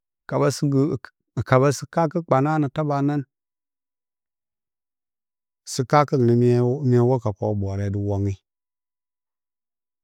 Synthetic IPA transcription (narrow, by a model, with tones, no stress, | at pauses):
ka˨ba˦sɡ | ka˨ba˦si˦ka˦ki˦k͡pa˨na˦nə˨ta˦ba˨na˦n | si˦ka˦kə˦n˨ni˨m˦m˦e˦wo˦ka˨po˨˦bo˨ɾe˨di˨wo˦ŋi˦